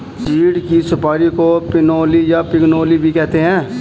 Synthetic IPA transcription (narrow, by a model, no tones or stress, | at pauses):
siːɽkisʊpaːɾikopɪnoːlijapɪknoːlibʱikɛːt̪eɦɛ̃ː